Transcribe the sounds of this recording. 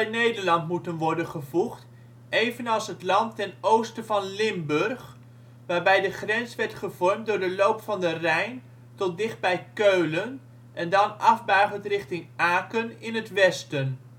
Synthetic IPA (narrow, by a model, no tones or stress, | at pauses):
ɛnejdəɹlɑntmutənʋɔɹdənχəvuχt | ʔejvənɑlˠsɦətlɑntɛnowstəvɑnlɪmbɵrχ | ʋaːɹbɛjdəχrɛnsʋɛɹtχəvɔɹmtdʊːɹdəlowpfɑndərɛjn | tɔt̚dɪχd̚bɛjkøɥlən | ʔɛndɑnɑvbaɥχəntrɪχtɪŋʔaːkənɪnɦətʋɛstən